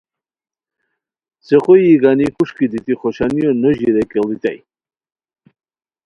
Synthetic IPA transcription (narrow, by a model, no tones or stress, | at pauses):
sɛχɔjːɡanikʰʼuʃkʰʼid̪it̪ʼiχɔʃaniɔnɔʒiɾɛkʼɛlit̪ʼɛ̰j